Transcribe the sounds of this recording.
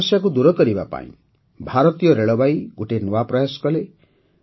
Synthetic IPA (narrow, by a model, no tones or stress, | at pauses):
sjak̬ud̪uɾɔkɔɾiba̰pa̰ḭ̃ | bʱaɾɔt̪ijɔɾeɭɔbajiɡuʈenuwapɾɔjasɔ̥kɔle